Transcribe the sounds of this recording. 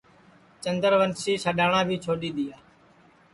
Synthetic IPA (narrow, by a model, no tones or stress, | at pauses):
t͡ʃənd̪əɾʋənsiːsəɗaːɳãːbʱiːt͡ʃʰoːɗiːɗ̪ɪjaː